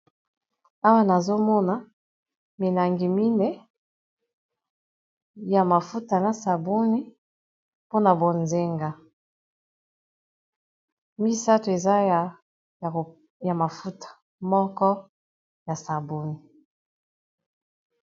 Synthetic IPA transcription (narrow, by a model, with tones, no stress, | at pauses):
a˦wa˦na˨zo˦mɔ˦na˨ | mi˨la˨ŋɡi˨mi˦ne˨ | ja˨ma˨fu˦ta˨na˨sa˨bu˦ni˦ | po˦na˨bo˨nze˦ŋɡa˦ | mi˦sa˦to˨e˨za˦˨ | ja˨ma˨fu˦tḁ˨ | mɔ˦kɔ˦ | ja˨sa˨bu˦ni˨